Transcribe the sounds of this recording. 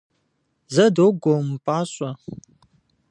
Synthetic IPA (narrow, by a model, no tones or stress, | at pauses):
zədoɡom̩paswa